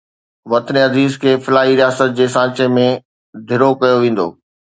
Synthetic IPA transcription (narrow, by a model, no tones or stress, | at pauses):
ʋɐt̪neɦɐziːzkʰeːfɪlaːɦiɾijaːsət̪̚d͡ʑeːsãːt͡ɕemẽ | d̪ʱɪɾokɐjoʋẽːn̆d̪o̰ː